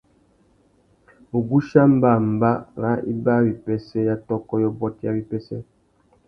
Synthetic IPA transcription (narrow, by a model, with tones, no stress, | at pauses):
u˨ɡu˦ʃa˦m̩˦ba˦˨m̩˨ba˦ŋa˦ḭ˦ba˦ɾi˨pɛ˦sɛ˦ja˦tɔ˦kɔ˦jɔ˦bɔ˦tja̰˦ɾi˦pɛ˦sɛ˦